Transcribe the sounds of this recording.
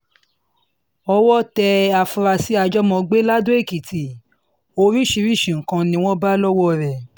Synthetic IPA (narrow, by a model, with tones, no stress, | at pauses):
ɔ˧wɔ˦tɛ˧a˧fu˧ɾa˧si˦a˧d͡ʒɔ˦mɔ̃˧ɡ͡be˦la˦dõ˦e˦˨ki˨ti˨ | o˧ɾi˦ʃi˧ɾi˦˨ʃĩ˨ŋ̩˨kã˧nĩ˧˦w̃ɔ̃˦ba˦lɔ˦wɔ˦˨ɾɛ˨